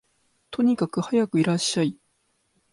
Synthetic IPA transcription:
t̪ʰo̞ɲ̟ikakɯ̟hajakɯ̟iɾaɕːai

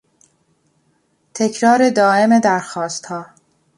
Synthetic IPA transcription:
t̪ʰe̞cʰɾɒːɾe̞d̪ɒːʔe̞me̞d̪æɾxɒːst̪hɒː

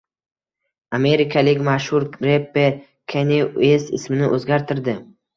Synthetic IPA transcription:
ame̞ɾɪkʰalɪkʲmaʃhʊɾɾepːe | kʲʰeneesɪ̰smɪnɪʔɵzɡʲaɾt̪ʰɪɾd̪ɪ

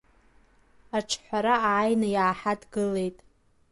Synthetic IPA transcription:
aʈ͡ʂʰħʷaɾaaːjnɨjaːħadɡɨle̞jtʼ

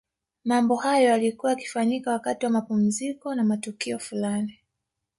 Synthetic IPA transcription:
mambɔhajɔjalikuwaaki̥faɲikawakatiwamapum̩zikɔnamatukiɔfulani

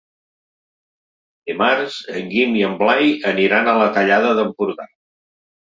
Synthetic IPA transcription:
d̪imaɾzəŋɡimiəmblajəniɾanələt̪əʎaðəðəmpuɾɣa̰

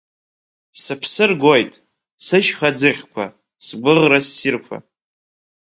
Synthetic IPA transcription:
sɨpʰsɨrɡʷojtʼ | sɨʃχad͡zɨʁʲkʷʰa̰ | sɡʷɨʁrasːirfʰa̰

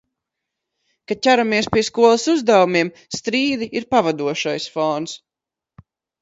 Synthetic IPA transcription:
kacʲæɾamiɛspʲiɛskuɔlˠasuzd̪awumiɛm | st̪ɾiːd̪iʔiɾpavad̪uɔʃajsfɔnt̪s

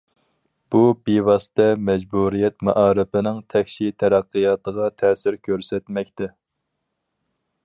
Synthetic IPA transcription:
b̥ubivɑst̪ɛmɛd͡ʒbuɾijɛt̪̚mɑʔɑːɾɪpɪnɪŋt̪ʰɛkʲʃit̪ʰɛɾæqːɨjɑːt̪əʁɑt̪ʰɛːsɪɾkʲʰøɾsɛt̪mɛkʲt̪ɛ

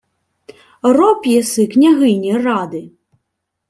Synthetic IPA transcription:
rɔpjɛsɪknʲɐɦɪnʲirɑd̪ɪ

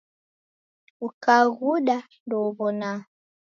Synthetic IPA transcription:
ukaɣuɗa | ndɔβɔna

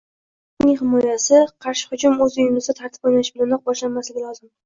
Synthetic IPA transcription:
nɪŋhɪmɒjasɪqʰɑɾʃɪ̥χʊd͡ʒʊmɵzʊjʊmlɪzd̪at̪ʰaɾt̪ʰɪ̥pojnaʃɪblanɒq̚bɒʃlanmaslɪɡʲɪlˠɒzɪm

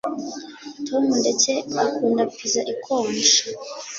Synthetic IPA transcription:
tʰomundet͡seakuːndapizaʔikʰoːnʃḁ

